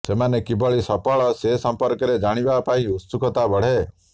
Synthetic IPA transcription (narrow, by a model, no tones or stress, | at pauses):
semanekibɔɭisɔpɔɭɔsesɔmpɔɾkɔɾed͡ʒaɽ̃ibapaĩust̪ukɔt̪abɔɽ̤e